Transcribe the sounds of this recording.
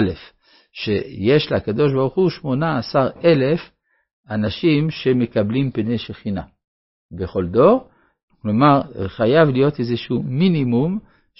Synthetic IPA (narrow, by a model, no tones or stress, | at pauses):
lef | ʃejeʃleakad̪o̞ʃ̬baʁuχuʃmo̞naːsaʁe̞lef | anaʃimʃe̞me̞kablimpeneʃeχina̰ | beχo̞ld̪o̞ʁ | klomaʁχajavlijo̞t̪ezeʃuminimum